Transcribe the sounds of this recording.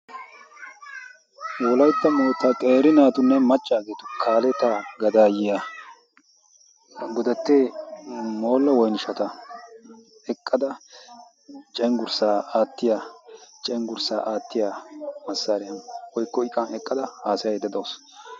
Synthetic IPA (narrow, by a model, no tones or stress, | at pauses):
ɔlɐjt̪ːɐmɔjt̪ːɐkʼeːɾɪnaːt̪ʊnːɛmɐt͡ʃʼːaːɡeːt̪ʊkʰaːlɛt̪aɡɐd̪aːjɪja | ɡɔd̪ɐt̪ːe | mo̞ːlːɐwɔjnɪʃɐt̪ɐ | ɛkʼːɐd̪ɐ | t͡ʃʼɛŋɡʊɾsaːaːt̪ːɪjat͡ʃʼɛŋɡʊɾsaːʔaːt̪ːɪjamɐsːaːɾɛjɐnwɔjkːɔɪkʼːɐnɛkʼːɐd̪ɐhaːsɪjɐd̪ɐd̪oːs